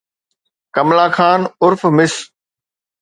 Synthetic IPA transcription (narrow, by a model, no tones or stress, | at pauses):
kɐmlaːkʰaːnʊɾfmɪs